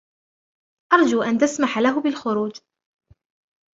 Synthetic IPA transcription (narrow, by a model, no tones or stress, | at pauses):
ʔɑɾˤd͡ʒuːʔant̪asmaħalaɦʊbɪlxʊɾuːd͡ʒ